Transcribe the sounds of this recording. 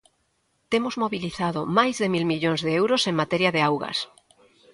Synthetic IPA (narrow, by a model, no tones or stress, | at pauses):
t̪emozmoβiliθað̞omajzðemilmiʎoŋzðeewɾoseŋmat̪eɾjaðeawɣɐ̰s